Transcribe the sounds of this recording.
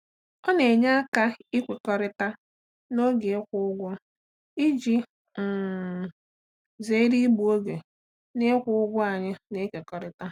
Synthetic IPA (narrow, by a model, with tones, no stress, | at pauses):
ɔ˦ne˨ɲa˦a˦ka˦i˦kʷe˨kɔ˨ɾɪ˦ta˦ | no˦ɡe˨ɪ˦kʷʊ˦ʊ˦ɡʷɔ˦ | i˦d͡ʒi˦ | n̩˨ | ze˨˦ɾi˦bu˨o˦ɡe˨ | ne˦kʷʊ˦ʊ˦ɡʷʊ˦a˨ɲɪ˦ne˨˦kʷe˨kɔ˨ɾɪ˦ta˦